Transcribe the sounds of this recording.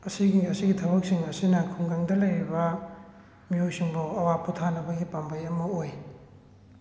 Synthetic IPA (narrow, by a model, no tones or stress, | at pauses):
ɐsiɡiɐsiɡitʰɐbɐk̚siŋɐsinɐkʰuŋɡaŋdɐlɐjɾibɐ | miojsiŋbuɐwaputʰanɐbɐɡipɐmbʱɐjɐmɐoj